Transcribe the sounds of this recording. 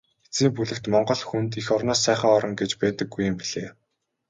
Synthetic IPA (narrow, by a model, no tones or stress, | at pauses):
et͡siːmpuɮɘ̆kt̪mɔɴɢɞ̆ɮxunt̪ixɔrnɔːsːæːχə̆ŋɔɾɞ̆ŋɡet͡ɕpæːt̪ɘ̆ɡːujːʊ̆mpiɮ̥eː